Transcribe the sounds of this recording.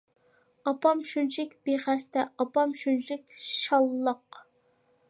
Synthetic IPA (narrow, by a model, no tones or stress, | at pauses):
ɑpɑmʃunt͡ʃʰɪkʲb̥eχæst̪ɛɑpɑmʃunt͡ʃʰɪkʲʃɑlˠːɑq